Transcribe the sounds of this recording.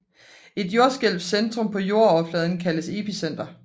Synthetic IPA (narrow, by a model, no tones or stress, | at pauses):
e̝d̥jo̝ɐsɡ̥el̰b̥send̥ʁɔ̽mpʰɒ̽jo̝ɐɒflɛːð̞ˠən̩kʰæləse̝pʰisen̰d̥ɐ